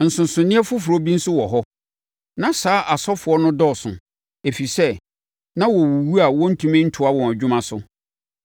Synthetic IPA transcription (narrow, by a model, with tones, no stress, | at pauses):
n̩˨sʊ̃˨n˨sʊ̃˨nɪ̃˦ɛ˦fʊ˦fɾɔ˦bi˦n̩˦sʊ˦wɔ˨ɦɔ˦ | nã˨saː˨˦ʔa˨sɔ˦fʊ˨ɔ˦nʊ̃˦dɔ˦˨sʊ̰̃˨ | e˨fi˨sɛ˦ | nã˦wɔ˨wu˨wu˦a˨wɔ̃˦n̩˦tʰũ˦mɪ̃˦n̩˦tʰʊ˨˦a˦wɔ̃˨æ˨d͡ʑᶣʊ̃˦mã˦sʊ˦